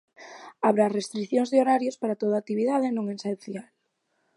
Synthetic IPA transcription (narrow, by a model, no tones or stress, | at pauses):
aβɾarest̪ɾiθjõŋzðeoɾaɾjospaɾat̪oð̞at̪iβiðað̞enõŋesenθjal